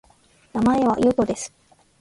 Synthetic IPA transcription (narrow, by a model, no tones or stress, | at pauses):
namae̞βajot̪o̞d̪e̞sɨ̥